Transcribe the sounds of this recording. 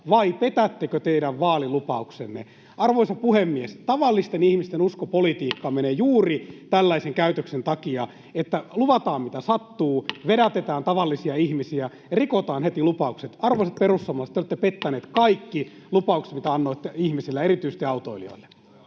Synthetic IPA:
ʋɑipet̪æt̪ːekøt̪eiɾæʋʋɑːlilupɑuksḛnːḛ | ɑrʋoisɑpuhemːiest̪ɑʋɑlːist̪enihmist̪enuskopolit̪iːkːɑmeneːjuːrit̪ælːæiseŋkæyt̪øksent̪ɑkiɑ | et̪ːæluʋɑt̪ɑːmmit̪æsɑt̪ːuːʋeɾæt̪et̪æːnt̪ɑʋɑlːisiɑihmisiæ | rikot̪ɑːnhet̪ilupɑukset̪ɑrʋoˑisɑt̪̚perust̪ɑmɑːset̪eoˑet̪ːepet̪ːæneːt̪kɑikːi | lupɑukse̥t̪mit̪æɑnːoit̪ːeihmisilːæerit̪yise̥st̪iɑut̪oilio̰ilːe̥

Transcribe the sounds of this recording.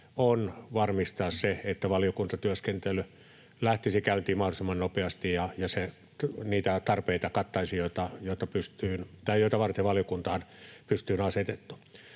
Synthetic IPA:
onʋɑrmist̪ɑːsseet̪ːæʋɑlijokunt̪ɑt̪yæskent̪ely | læht̪isikæyt̪iːmmɑhdosemːɑnnopeɑst̪ijjɑjɑse | niːt̪æt̪ɑrpeit̪ɑkɑt̪ːɑisijoit̪ɑjoˑit̪ɑpyst̪yːnt̪ɑijoˑit̪ɑʋɑrt̪eʋɑljokunt̪ɑːnpyst̪yːnɑset̪et̪ːu̥

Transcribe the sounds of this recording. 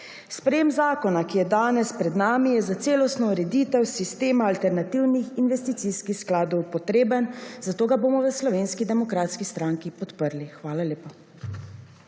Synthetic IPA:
spɾɛjemzaːkɔnakijɛd̪aːnɛspɾɛd̪naːmijɛzat̪seːlɔst̪nɔuɾɛd̪it̪ɛwsist̪eːmaːlt̪ɛɾnat̪iwnixinʋɛst̪it̪siskixsklaːd̪ɔwpɔt̪ɾeːbənzat̪oːɡaboːmɔʋəslɔʋeːnskid̪ɛmɔkɾaːt̪skist̪ɾaːŋkipɔt̪pəɾlixʋaːlaleːpɔ

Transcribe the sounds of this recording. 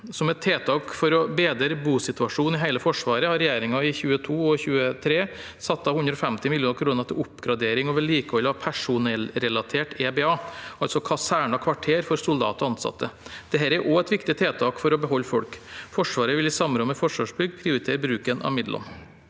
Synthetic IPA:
sɔmɛt̪ʰːeːt̪ʰɑːkfɔɾɔbeːd̪əɾbuːsɪt̪ʉɑʂuːnɪɦæɪləfɔʂʋɑːɾəhɑɾɛjeːɾɪŋɑɪçʉːət̪ʰuːɔçʉːət̪ʰɾeː | sɑt̪ːɑhʉnd̪ɾɔfɛmt̪ɪmɪljuːnkʰɾuːnəɾt̪ʰɪʊpːɡɾɑd̪eːɾɪŋɔːʋɛliːkəɔlhɑpʰæʂʊnɛlːɾɛlɑt̪ʰeːʈeːbeːɑːʔɑlsɔkʰɑsæːɳɑkʰʋɑʈʰeːɾfɔɾsʊld̪ɑ̰ːt̪ɔɑnsɑ̰t̪ʰːəd̪̥ɛɦæːɾɛɾʔoɛt̪ʋɪkt̪ɪt̪ʰeːt̪ʰɑːkfɔɾɔbəɦɔlːfɔlkfɔʂʋɑːɾəʋɪlɪsɑmɾɔnmɛfɔʂʋɑːʂbʏɡːpʰɾɪʊɾɪt̪ʰeːɾəbɾʉːkənʔɑ̰ʋmɪd̪lʔɔ̰n

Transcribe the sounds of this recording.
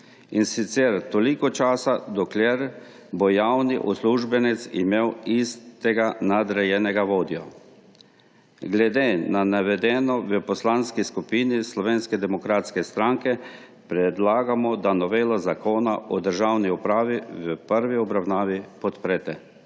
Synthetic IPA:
insit̪sɛɾt̪olikɔt͡ʃaːsad̪ɔklʲjeɾ | bɔjawniʔusluʒbɛnɛt̪sḭmewist̪ɛɡanad̪ɾɛjɛnɛɡaʋoːd̪iɔ | ɡlɛd̪eːnanaʋɛd̪ɛːnɔʋəpɔslanskiskupiːnislɔʋenskɛd̪ɛmɔkɾaːt̪skɛst̪ɾaŋkɛ | pɾɛd̪laːɡamɔd̪anɔʋeːlazakoːnaʔɔd̪əɾʒawniupɾaːʋiʋəpəɾʋiɔbɾawnaːʋipɔt̪pɾɛt̪ɛ

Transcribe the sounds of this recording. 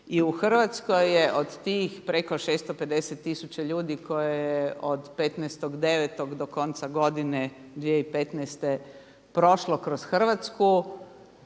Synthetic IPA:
iuxr̩ʋat̪skojːeʔod̪t̪iːxpɾeko̞ʃeːst̪ope̞d̪eset̪ːisut͡ɕaʎuːd̪ikʰo̞jejeod̪pet̪nɛːst̪oɡd̪e̞ʋet̪oɡd̪oko̞nt̪saɡo̞d̪ined̪ʋieipet̪nɛst̪e | pɾo̞ʃlokɾosxr̩ʋat̪sku

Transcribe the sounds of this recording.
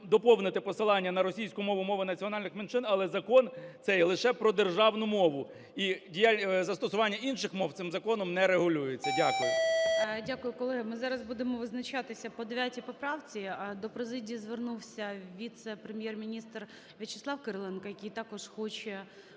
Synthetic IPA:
d̪ɔpɔwnɪt̪ɪpɔsɪlˠɑnʲːɐnɐɾɔsʲijsʲkʊmɔʋʊmɔʋʊnɐt͡sʲiɔnɑlʲnɪxment͡ʃɪnɐlˠɛzɐkɔntsɛjɛlˠɪʃɛpɾɔd̪erʒɑwnʊmɔʋʊ | idʲijalʲzɐst̪ɔsʊʋɑnʲːɐinʃɪxmɔwt̪ɪmzɐkɔnɔmnɛɾeɦʊlʲujet͡sʲːɐdʲakʊjʊdʲakʊjʊkɔlˠɛɦɪmɪzɑɾɐzbud̪emɔʋɪznɐt͡ʃɑt̪ɪsʲɐpɔd̪eʋʲatʲijpɔpɾɑwt͡sʲid̪ɔpɾezɪdʲijizʋernuwsʲɐwʋʲit̪sɛpɾemʲjermʲinʲist̪r | ʋʲit͡ʃe̥slˠɑwkɪɾlˠɛnkɐjɐkʲijt̪ɑkɔʃxɔt͡ʃɛ

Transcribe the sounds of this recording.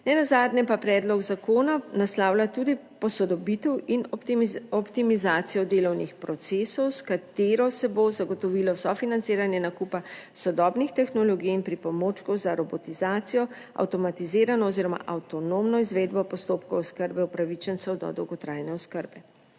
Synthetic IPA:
nɛnazaːd̪nʲɛpapɾɛːd̪lɔɡzakoːnanaslaːwlat̪uːd̪i | pɔsɔd̪ɔbit̪ɛwin | ɔpt̪imizaːt̪sijɔd̪eːlɔwnixpɾɔt̪seːsɔwskat̪eːɾɔsɛbozaɡɔt̪ɔʋilɔsɔfinant̪seːɾanjɛnakupasɔd̪ɔbnixt̪ɛxnɔlɔɡijinpɾipɔmoːt͡ʃkɔwzaɾɔbɔt̪izaːt̪sijɔ | a̰wt̪ɔmat̪izeːɾanɔɔziːɾɔma̰ʔawt̪ɔnomnɔizʋeːd̪bɔpɔst̪oːpkɔwɔskəɾbɛuwpɾaʋit͡ʃənsɛwd̪ɔ̰d̪ɔwɡɔt̪ɾaːjnɛɔskəɾbɛ

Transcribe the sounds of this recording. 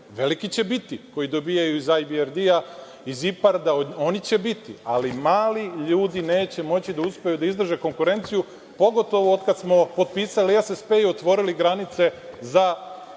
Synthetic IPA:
ʋe̞likit͡ɕe̞bit̪iko̞jid̪o̞bijajuizajbieɾd̪ia | izipaɾd̪aoo̞nit͡ɕe̞bit̪ialimaːliʎuːd̪ine̞ːt͡ɕe̞mo̞t͡ɕid̪auspe̞jud̪aizd̪r̩ʒe̞ko̞ŋkuɾe̞nt̪siju | po̞ɡo̞t̪o̞ʋood̪kad̪smo̞po̞d̪̚piːsaliesespe̞io̞t̪ʋo̞ɾiliɡɾanit̪se̞za

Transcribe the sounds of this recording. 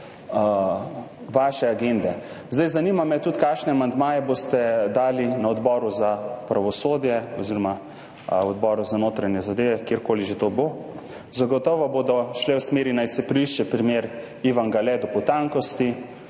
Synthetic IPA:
ʋaːʃɛaɡend̪ɛ | zd̪ajzanimamɛt̪ut̪kakʃnɛamand̪maːjɛbost̪ɛd̪aːlinaɔd̪bɔːɾuzapɾaʋɔsoːd̪jɛɔziɾɔma | ɔd̪bɔɾuzanoːt̪ɾanjɛzad̪eːʋɛkjeːɾkoːliʒet̪obo | zaɡɔt̪ɔːʋɔboːd̪ɔʃlɛwsmeːɾinajsɛpɾiʃt͡ʃɛpɾimeːɾ | iʋaŋɡalɛd̪ɔpɔt̪aŋkɔst̪i

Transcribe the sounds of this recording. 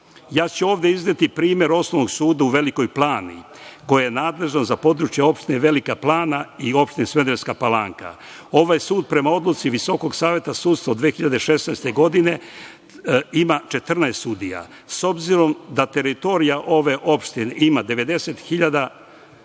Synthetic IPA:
jaːt͡ɕeo̞ːʋd̪e̞iznet̪ipɾiːmje̞ɾo̞snoʋnoɡsuːd̪auʋe̞liko̞jplˠaːnḭ | ko̞jajenaːd̪le̞ʒnozapo̞d̪ɾut͡ʃjeo̞pʃt̪ineʋe̞likaplˠaːnaio̞pʃt̪inesmed̪eʎskapalaŋka̰ | o̞ʋajsuːd̪̚pɾe̞mao̞d̪lut̪siʋiso̞ko̞ɡsaːʋje̞t̪asuːd̪st̪ʋaod̪ʋeexiʎad̪eʃe̞snajst̪e̞ɡo̞d̪ine̞ | imat͡ʃe̞t̪r̩naest̪sud̪ija̰ | so̞bziɾo̞md̪at̪e̞ɾit̪o̞ɾijaʔo̞ʋe̞ʔo̞pʃt̪ineʔimad̪e̞ʋe̞d̪e̞se̞t̪xiʎad̪a

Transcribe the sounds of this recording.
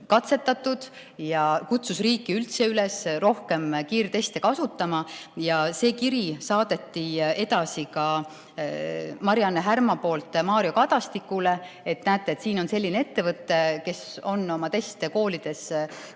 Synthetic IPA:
kɑt̪se̞t̪ːˑɑt̪ːˑud̪̥ | jɑkut̪susriːkːˑiylt̪seylesro̞hke̞mkiːrt̪e̞st̪e̞kɑsut̪ːˑɑmɑjɑse̞ːkiɾisɑːd̪̥e̞t̪ːie̞d̪̥ɑsikɑ | mɑɾjɑnːeɦærmɑpo̞ːlt̪ːˑmɑːɾio̞kɑd̪ɑst̪ikːule̞ | et̪næːt̪ˑːeːt̪siːno̞nse̞lːinee̞t̪ːe̞vɤt̪ːe̞ke̞so̞nːo̞mɑt̪e̞st̪e̞ko̞ːlid̪̥e̞s

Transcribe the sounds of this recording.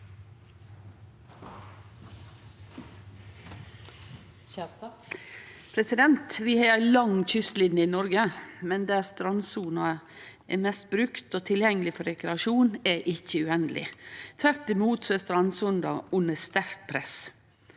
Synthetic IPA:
pʰɾɛsɪd̪ɛnt̪ʋɪhɑæɪlɑŋt̪ʰʏst̪lɪnːəɪnɔɾɡəmɛnd̪æɾst̪ɾɑnsuːnɑ | ɛmɛst̪̚bɾʉkt̪oːt̪ʰɪljɛŋəlɪfɔɾɛkɾɛɑʃuːnɛʔɪçːəʉɛnəlɪ̰t̪ʰʋæɾt̪ɪmuːt̪sɔɛst̪ɾɑnsɔnd̪ɑʉnːəst̪æɾk̚pʰɾɛs

